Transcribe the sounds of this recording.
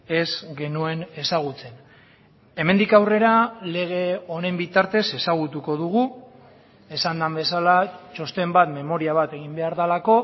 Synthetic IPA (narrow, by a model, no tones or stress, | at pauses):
e̞zɡe̞nue̞ne̞saɣ̞ut͡se̞n | e̞me̞nd̪ikawre̞ɾale̞ɣ̞e̞o̞nembit̪aɾt̪e̞se̞saɣ̞ut̪uko̞ðuɣ̞u | e̞sand̪ambe̞salat͡ʃo̞st̪e̞mbat̪me̞mo̞ɾiaβ̞at̪e̞ɣ̞imbe̞aɾðalako̞